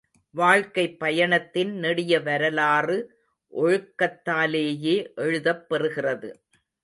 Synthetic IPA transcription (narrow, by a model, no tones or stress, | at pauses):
ʋaːɻkɐɪpːɐjɐɳɐt̪ːɪnnɛɽɪjɐʋɐɾɐlaːrɯ | ʔɔɻɯkːɐt̪ːaːleːjeːʔɛɻɯðɐpːɛrɯɣɪrɐðɯ̰